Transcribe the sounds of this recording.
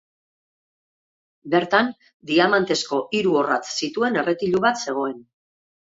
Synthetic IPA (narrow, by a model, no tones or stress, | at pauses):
be̞ɾt̪an | d̪iamant̪e̞sko̞ʔiɾuo̞rat͡ssit̪ue̞ne̞re̞t̪iʎuβat̪se̞ɣ̞o̞e̞n